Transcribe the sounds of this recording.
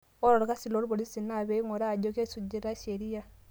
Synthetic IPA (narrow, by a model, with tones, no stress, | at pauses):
o˦ɾo˨ɾa˨ka˦si˨lo˦ɾu˦βo˨li˦si˨na˨βe˦i˦ŋo˨ɾa˦˨ɟo˦ke˦su˨ɟi˨ɾa˦ʃe˨ɾi˦ja˨